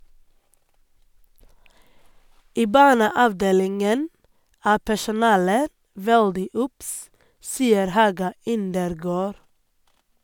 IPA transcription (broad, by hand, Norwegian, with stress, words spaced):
ˈiː ˈbɑːɳəɑʋˌdeːlɪŋən ˈæː pæʃʊˈnɑːlə ˈʋɛɽdɪ ˈʊps ˈsiːəɾ ˈhɑːɡɑ ˈɪndəɾˌɡoːɾ